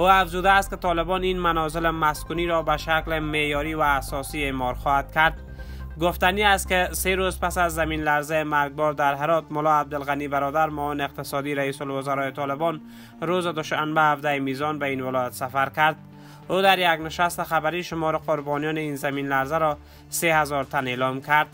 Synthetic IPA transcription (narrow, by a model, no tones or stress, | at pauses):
oafzud̪aːst̪̚kɪt̪ʰɒlɪbɔninmanɔzɪlɪmaskuniɾɔbaʃaklɪmejɔɾivaːsɔsiemɒɾxɔhad̪̚kaɾd̪̚ | ɡʊft̪aniast̪̚kɪseɾozpasazːaminlaɾzaemaɾɡ̚bɔɾd̪aɾɦeɾɔt̪mʊlɔab̚d̪ɪlɣanibaɾɔd̪aɾmɔvɪnɪɪq̚t̪ɪsɔd̪iɾaiːsʊlwʊzaɾɔjet̪ʰɒlɪbɔn | ɾozɪd̪ʊʃanbahafd̪aemizɔnbainwɪlɔjat̪safaɾkaɾd̪̚ | od̪aɾjaɡnɪʃast̪ɪxabaɾiːʃʊmɔɾɪqʊɾbɒnijɔneiːnzaminlaɾzaɾɔ | sehazɔɾt̪ʰanelɔmkʰaɾd̪̚